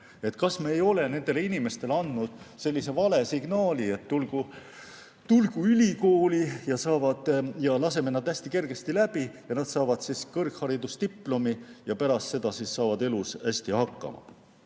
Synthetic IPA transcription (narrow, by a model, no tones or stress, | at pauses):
e̞t̪ːˑkɑsme̞ːjo̞le̞ne̞nd̪e̞leinime̞st̪e̞lɑnd̪nud̪̥se̞lʲːise̞vɑle̞siɡnɑːlie̞t̪ːulɡ̥u | t̪ulɡ̥uylʲiko̞ːlijɑsɑːvɑd̪̥jɑlɑseme̞nɑd̪̥æsʲt̪ike̞rɡ̥e̞st̪ilæb̥ijɑnɑd̪̥sɑːvɑd̪̥siskɤrkhɑɾid̪ust̪ipːˑlomijɑpæɾɑst̪se̞d̪̥ɑsisːɑːvɑd̪e̞lusæsʲt̪ihɑkːˑɑ̰mɑ̰